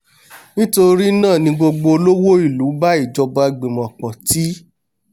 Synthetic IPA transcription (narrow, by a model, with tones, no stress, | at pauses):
nĩ˦to˧ɾi˦nãː˦˨nĩ˧ɡ͡bo˧ɡ͡bo˧o˧lo˦wo˦i˦˨lu˨˦ba˦i˦˨d͡ʒɔ˧ba˧˨ɡ͡be˨mɔ̃˨k͡pɔ̃˨ti˦